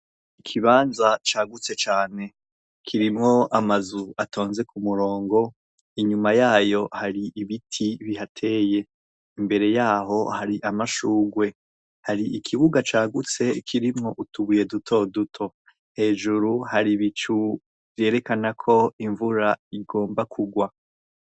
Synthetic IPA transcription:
ikʰiβaːnzat͡ʃaːɡut͡se̞t͡ʃaːne̞ | kʰiɾimŋo̞amazuatʰo̞ːnze̞kumuɾo̞ːŋɡo̞ | iɲumajaːjo̞haɾiʔiβitʰiβihatʰe̞ːje̞ | imbe̞ɾe̞jaːɦo̞haɾiʔamaʃuːɡwe̞ | haɾiʔikʰiβuɡat͡ʃaːɡut͡se̞kʰiɾimŋo̞ʔutuβuje̞dutʰo̞dutʰo̞ | he̞ːʒuɾuhaɾiβit͡ʃu | vje̞ːɾe̞kanakʰo̞iɱvuɾaiɡo̞ːmbakʰuɡwa

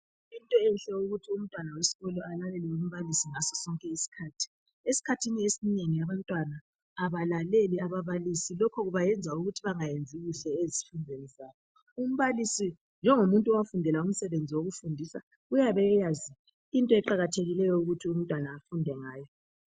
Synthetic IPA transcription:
intʼɔɛnɬɛuɣutʰium̩tʼwanawesi̥ɣɔlɔalalɛliwom̩βalisiŋasɔsɔŋkʼɛisi̥kʰaːtʰi̥ | esi̥kʰatʰiniesineŋijaβantʼwanaː | βalaleliaβaβalisilɔkʰɔɣuβajɛnd͡zʱauɣutʰiβaŋajend͡zʱiɣuɬɛezifundʱenɛzaːjɔ | um̩βalisi | nd͡ʒʱɛŋomuntʼuɔwafundʱɛlaum̩sɛβend͡zʱiwoɣufundʱiːsa | ɣujaβɛjazi | intʼɔɛǃaɣatʰeɣilɛjɔuɣutʰium̩tʼwanaːfundʱɛŋaːjɔ

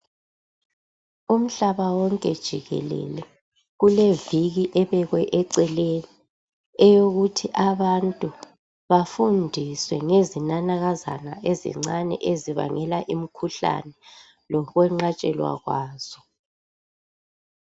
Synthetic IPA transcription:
um̩ɬaβawɔŋkʼɛd̥ʒ̥ʱiɣɛ̰lɛ̰lɛ | ɣuleviɣiʔɛβɛɣwɛʔɛǀɛleni | ɛjoɣutʰiʔaβantʼu | βafundʱiswɛŋezinanaɣaza̰naʔezḭŋ͡ǀanɛ̰ʔeziβa̰ŋɛlaʔim̩kʰuɬa̰nɛ | lɔɣwɛŋ͡ǀat͡ʃʼɛlwa̰ɣwaːz̥ɔ

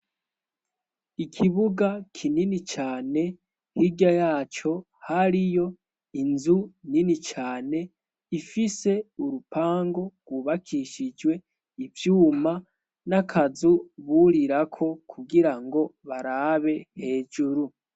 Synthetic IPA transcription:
ikʰiβuɡakʰininit͡ʃaːne̞ | hiɡjajaːt͡ʃo̞ | haɾijo̞ | inzuninit͡ʃaːne̞ | ifise̞uɾupʰaːŋɡo̞ɡ̥wuβakʰiʃid͡ʒwe̞ | ivjuːma | nakʰazuβuɾiɾakʰo̞kʰuɡiɾaŋɡo̞βaɾaːβe̞he̞ːd͡ʒuɾu

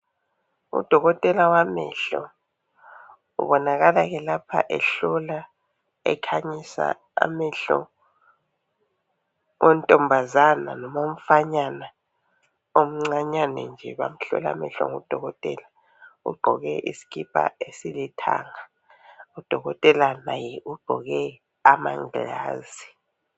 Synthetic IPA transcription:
ṵd̥ʱɔɣɔtʼɛlawamɛ̰ɬɔ̰ | ṵβɔnaɣalaɣɛlapʰa̰ʔɛɬɔla | ɛ̰kʰaɲisa̰ | a̰mɛɬɔ̰ | wʔentʼɔmbʱazananɔmom̩faɲana | om̩ŋ͡ǀaɲanɛ̰nd͡ʒʱɛβam̩ɬɔ̰la̰mɛɬɔ̰ŋɔd̥ʱɔɣɔtʼɛla | ṵɡ͡ǃʱɔɣɛʔisi̥kipʰʼa̰esilitʰa̰ŋa | ud̥ʱɔɣɔtʼɛlanajɛʔuɡ͡ǃʱɔɣɛ | amaŋa̰ːzi

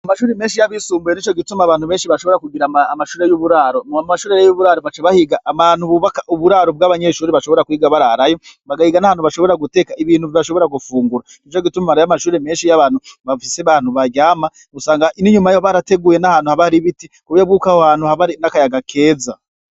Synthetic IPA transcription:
amaʃuːɾeme̞ːnʃijaβisuːmbuje̞niːt͡ʃo̞ɡitumaβaːn̥huβe̞ːnʃiβaʃo̞βo̞ɾakuɡiɾaaːmaʃuːɾe̞juβuɾaːɾomaʃuːɾejejuβuɾaːɾoβat͡ʃeβahiɡaʔːmanhuβuβakaʔuβuɾaːɾob̚ɡaːβaɲe̞ʃuːɾeβaʃo̞βo̞ɾakuiɡaβaɾaɾajoβaɡahiɡanahaːnhuβaʃo̞βo̞ɾaɡute̞kaiβiːn̥huviβaʃo̞βo̞ɾaɡufuːŋɡuɾa | nit͡ʃo̞ɡitumamaɾojamaʃuːɾeme̞ːnʃijaβaːn̥huβafiseβaːnhuβaɾɟaːma | ɡusaːŋɡaʔiniɲumajoβaɾate̞ɡuːjenahaːnhuhaβaɾiβitikuβjobɡuːkaohaːnhuhaβaɾinakajaɡakʰe̞ːza

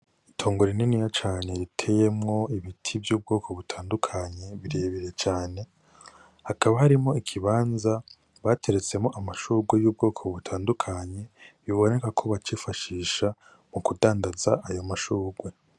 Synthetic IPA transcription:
itʰoːŋɡoɾininijat͡ʃaːne̞ɾitʰe̞je̞mŋo̞iβitʰivjuːb̚ɡo̞ːkʰo̞βutʰaːndukʰaɲe̞βiɾeβiɾe̞t͡ʃaːne̞ | hakaβahaɾimŋo̞ikʰiβaːnza | βatʰe̞ɾe̞t͡se̞mo̞ʔamaʃuːɡwejuːb̚ɡo̞ːkʰoβutʰaːndukʰaɲe̞βiβo̞ne̞kakʰo̞βat͡ʃifaʃiːʃa | mukudaːndaza̰ʔajomaʃuːɡwe̞

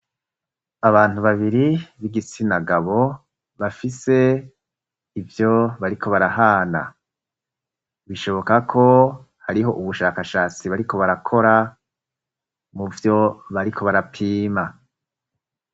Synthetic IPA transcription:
aβaːn̥uβaβiɾiβiɡit͡sinaɡaβo̞ | βafise̞ | ivjo̞βaɾikʰo̞βaɾahaːna̰ | βiʃo̞βo̞kakʰo̞ | haɾiɦo̞ʔuβuʃaːkaʃaːt͡siβaɾikʰo̞βaɾakʰo̞ɾa | muvjo̞βaɾikʰo̞βaɾapʰiːma

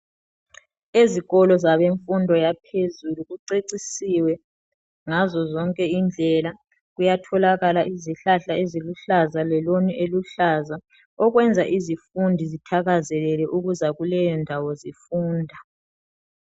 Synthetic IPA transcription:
eziɣɔlɔzaβeɱfundʱɔjapʰezuluɣuǀeǀisiwɛ | ŋazɔzɔŋkʼɛind͡ɮʱɛla | ɣujatʰɔlaɣalaʔiziɬaɬaeziluɬazalɛloniʔeluɬaza | ɔɣwɛnd͡zʱaʔizifundʱizitʰaɣazɛlɛlɛʔuɣuzaɣulɛjɔndʱawɔzifuːndʱa

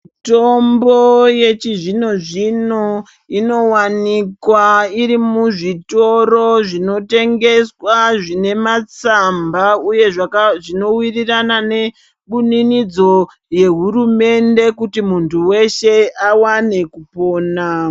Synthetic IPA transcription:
ito̞mboje̞t͡ʃiʐino̞ʐino̞ | ino̞wanikwaiɾimuʐito̞ro̞ʐino̞te̞ŋɡe̞swaʐine̞mat͡sambauje̞ʐakʐino̞wiriranane̞ | ɓuninid͡zo̞ | je̞ɦuɾume̞nde̞kutimuntʰuwe̞ʃe̞awane̞kupo̞ːna

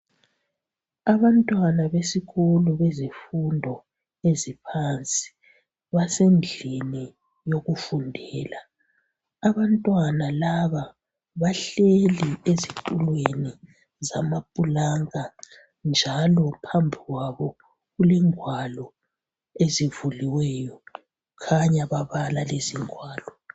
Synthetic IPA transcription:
aβantʼwanaβesiɣuluβezifundʱɔ | ezipʰant͡sʼi̥ | βasend͡ɮʱini | joɣufundʱɛːlaː | βantʼwanalaβa | βaɬeliezitʼulweni | zamapʼulaŋa | nd͡ʒʱalɔpʰambʱiɣwaβɔ | ɣulɛŋʱwalɔ | ezivuliwɛjɔ | kʰaɲaβaβalaleziŋʱwaːlɔ

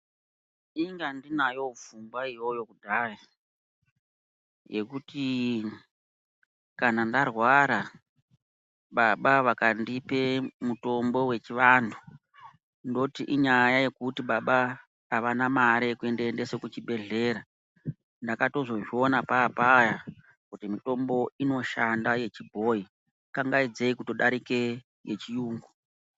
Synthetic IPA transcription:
iŋɡandinajo̞vumɡwaijo̞jo̞kudʱaːre | je̞kuti | kanandarwaɾa | ɓaɓaʋakandipe̞muto̞mbo̞we̞t͡ʃiʋandʰʱu | ndo̞tiʔiɲajaje̞kutiɓaɓaː | ʋanamaɾekue̞ndeende̞sokut͡ʃibʱe̞ɮe̞ːɾa | ndakato̞ʐo̞ʐio̞napaːpaja | kutimito̞mbo̞ino̞ʃandaje̞t͡ʃibʱoi | kaŋɡaid͡zeikutoɗaɾike̞ | jet͡ʃijuːŋɡu

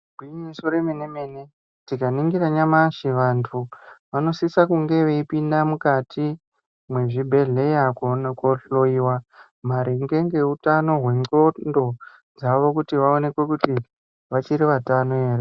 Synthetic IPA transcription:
ɡʱwiɲisoɾemenemeːne̞ | tikaniŋɡiɾaɲamaʃiʋantʰuʋano̞sisakuŋɡe̞ʋe̞ipindamukatʰi | mwe̞ʐibʱe̞ɮe̞jakkoɬoiwa | maɾʔiŋɡe̞ŋɡe̞utano̞ɦwe̞ŋ͡ǀo̞ndo̞ | d͡zaʋo̞kutiʋao̞ne̞kwe̞kuti | ʋat͡ʃiɾiʋatanoeːre

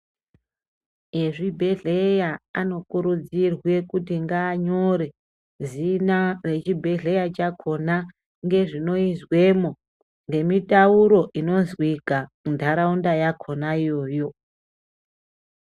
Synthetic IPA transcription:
eʐibʱe̞ɮejaano̞kuɾud͡zirwe̞kutiŋɡaːɲo̞ɾe̞ | zinare̞t͡ʃibʱe̞ɮe̞jat͡ʃakʰo̞na | ŋɡe̞ʐino̞izwe̞mo | ŋɡe̞mitauɾo̞ʔino̞zwika | undʱaɾaundajakʰo̞naijo̞ːjo̞

